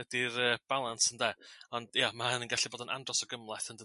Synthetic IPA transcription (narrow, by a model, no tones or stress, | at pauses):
ɛdirəːb̥alˠansəndɛɔnd̥jamahənənɡaɬiboːdənʔa̰ndrɔsɔɡəmlˠaθəndə